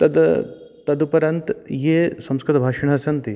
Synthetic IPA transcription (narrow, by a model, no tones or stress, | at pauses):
t̪ɐd̪ | t̪ɐd̪upɐɾɐnt̪jeːsɐ̃mskɾɪt̪ɐbʱaːʃɐɳɦɐsɐnt̪i